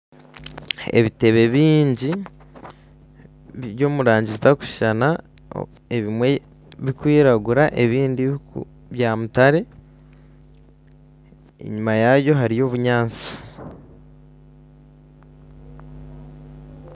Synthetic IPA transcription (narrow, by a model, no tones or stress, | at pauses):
ḛβite̞βe̞βiːɲɟi | jo̞ːmuɾaːɲɟizitaku̥ʃi̥ʃana̰ | eβimwe̞ | βikwiːɾaɡuɾaʔe̞βiːndi | βjamutaɾe̞ | ḛɲumajaβjo̞ɦaɾijo̞ːβuɲaːnt͡si̥